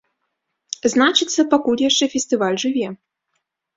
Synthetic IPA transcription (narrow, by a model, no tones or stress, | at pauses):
znat͡ʂɨt̪sːɐpakulʲjaʂt͡ʂɛfʲɛsʲt̪ɨvalʲʐɨvʲɛ